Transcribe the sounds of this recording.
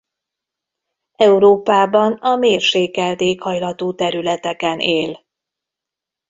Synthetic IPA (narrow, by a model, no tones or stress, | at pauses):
ɛuɾoːpaːbɒnɒmeːrʃeːkɛld̪eːkhɒjlɒt̪oːt̪ɛɾylɛt̪ɛkɛneːl